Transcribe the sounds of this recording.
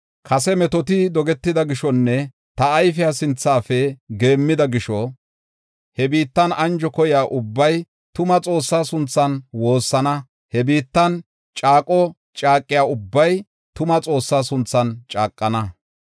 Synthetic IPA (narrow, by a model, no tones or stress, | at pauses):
kʰɐsɛmɛt̪ɔt̪ɪd̪ɔɡɛt̪ːɪd̪ɐɡɪʃɔnːɛ | t̪ɐːjfɪjasɪnt͡sːaːfɛɡe̞ːmːɪd̪ɐɡɪʃɔ | hɛbiːt̪ːɐnɐnd͡ʒɔkɔjaːʔʊbːɐj | t̪ʊmɐt͡sʼo̞ːsːaːsʊnt͡sːɐnwo̞ːsːɐnɐ | hɛbiːt̪ːɐn | t͡ʃʼaːkʼɔ | t͡ʃʼaːkʼːɪjaːʊbːɐj | t̪ʊmɐt͡sʼo̞ːsːaːsʊnt͡sːɐnt͡ʃʼaːkʼːɐnɐ